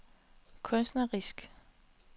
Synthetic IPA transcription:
kʰɔnsd̥nɐʁisɡ̥

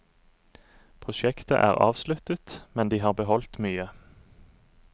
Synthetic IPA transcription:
pʰʁʊʃɛkt̪ə̰ʔæ̰ːʁɑ̰ːʋslʉt̪ət̪mɛnd̪iːhɑːʁbəɦɔlt̪myːə

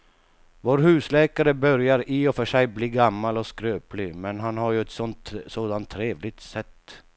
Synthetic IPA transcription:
voːɾɦʉ̟ːslɛːkaɾəbœɾjaɾiɔfœʂɛjbliːɡamːalɔskɾøːplɪmɛnɦanɦaɾjɵɛt̪sɔnt̪soːd̪ant̪ʰːɾeːvlɪɡ̚t̪sɛt̪ː

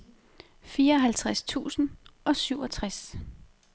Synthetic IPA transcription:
fiːɐɒ̽ɦælt͡sʰʁast͡sʰṵːsn̩ʔɒ̽syʊɒt͡sʰʁas

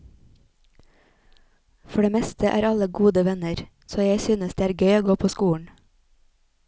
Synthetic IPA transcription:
fɔɖeːmɛst̪ʰəʔæ̰ːɾɑləɡuːd̪əʋɛnəɾ | soːjæɪsyːnəsd̪eːæːɾɡœʏoːɡoːpʰoːskuːɳ̩

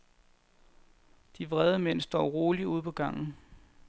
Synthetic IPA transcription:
d̥iʋʁɛð̞ˠəmen̰sd̥ɒ̰ːʁo̝ːliuð̞̰ˠpʰɒ̽ɡ̥ɑ̈ŋ̰n̩

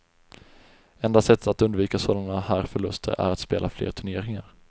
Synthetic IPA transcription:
ɛnd̪asɛt̪ːat̪ɵnd̪viːkasoːlaɳahæːɾfœɭɵst̪ʰə̰ɾæ̰ɾat̪speːlʔaflḛːɾt̪ʰɵɳeːɾɪŋaɾ

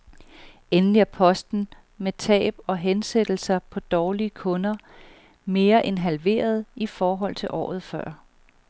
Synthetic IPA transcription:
enliæɐpʰɒ̽sd̥n̩ | met͡sʰɛ̰ːb̥ɒ̽ɦensed̥l̩sɐpʰɒ̽d̥ɒːliəkʰɔ̽nɐ | me̝ːɐʔe̝nɦælʋe̝̰ːɐð̞̩ˠifɒːɦɒ̽l̰t͡sʰe̝lʔɒ̰ːð̞̩ˠfɶ̰ɐ̰

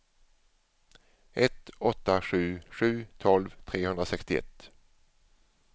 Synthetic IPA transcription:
ʔɛt̪ɔt̪ːaɧʉ̟ːɧʉ̟ːt̪ʰɔlvt̪ʰɾeːhɵnd̪ɾasɛkst̪ɪɛ̰t̪ː

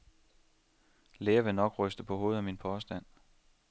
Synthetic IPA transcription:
leːɐʋe̝nɒ̽ɡ̥ʁœsd̥əpʰɒ̽ɦo̝ːð̩ˠæminpʰɒsd̥æn̰

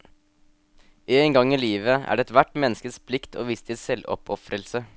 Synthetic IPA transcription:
ʔeːŋɡɑŋːiːliːʋəæ̰ːɖɛːɛt̪ʋæʈmɛnːəskəspʰlɪkt̪ʰo̰ːʋiːst̪ʰɪsɛlɔ̰pʰɔfɾəlsə

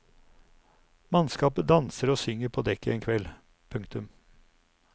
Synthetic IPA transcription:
mɑnskɑːpəd̪ɑnsəɾoːsʏŋəɾpʰoːd̪ɛkːəʔeːnkʰʋɛl | pʰʉŋkt̪ʉm

